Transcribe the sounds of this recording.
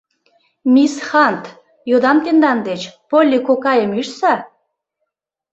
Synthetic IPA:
mʲisxɑnt̪ | jod̪ɑmt̪end̪ɑnd̪et͡ɕpolʲːikokɑjəmyʃsɑ

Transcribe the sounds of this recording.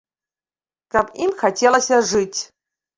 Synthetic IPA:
kapʼimxatʲʰelˠɐsʲɐʐɨtʲ

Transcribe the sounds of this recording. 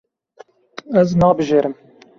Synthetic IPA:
ɛznɑːbɨʒeːɾɨm

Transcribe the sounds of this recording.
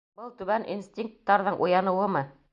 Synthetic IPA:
bɤlˠt̪ʉβænʔinst̪ʲiŋk̚t̪ːɑɾðɤɴʔṵjɑnɤ̆wɤmɤ

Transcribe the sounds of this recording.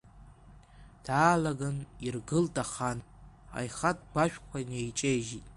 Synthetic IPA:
d̥aːlaɡanirɡɨltʰʼaχan | a̰jχat̚ʰʼbaʃᶣʷqʷʰanejt͡ʃʼejʒitʼ

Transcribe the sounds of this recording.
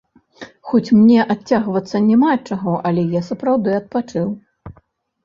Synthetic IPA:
xɔt͡sʲmnʲɛʔat͡sːʲaɣvɐt̪sːɐnʲɛmat͡ʂaɣɔʔɐlʲɛjasɐpɾawd̪ɨɐt̪̚pat͡ʂɨw

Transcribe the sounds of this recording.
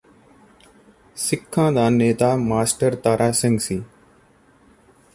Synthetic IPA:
sɪkʰːãːd̪aːneːt̪aːmaːsʈəɾt̪aːɾʔaːsɪŋɡsiː

